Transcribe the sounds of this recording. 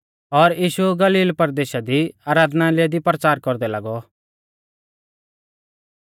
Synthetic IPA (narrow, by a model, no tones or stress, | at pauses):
ɔɾjiːʃuɡɐliːlpəɾd̪eːʃad̪iaːɾaːd̪nalɪad̪ipɾət͡saːɾkɔɾd̪ɛlaːɡɔ